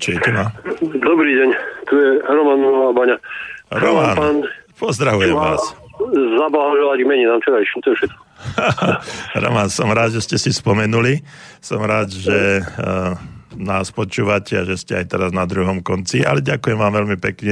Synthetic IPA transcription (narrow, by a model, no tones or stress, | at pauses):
t͡ʃɔjɛcɛnad̪ɔbɾiːɟɛɲt̪ujɛɾɔmanɔabaɲaɾɔmananpɔzd̪ɾaɦujɛmʋa̰ːs | zablaaʒɔlaɟɡmɛɲinaːmt͡ʃɛɾaʃit̪ɔjɛfʃɛt̪̚kɔ̥aɾɔ̰mansɔmɾaːd̪ʒɛscɛsispɔmɛnuli | sɔmɾaːd̪ʒɛ | naːspɔt͡ʃuːʋacʰɛaʒɛscɛajt̪ɛɾaznad̪ɾuɦɔmkɔnt͡sia̰lɛɟakujɛmʋaːmʋɛlmipɛkɲɛ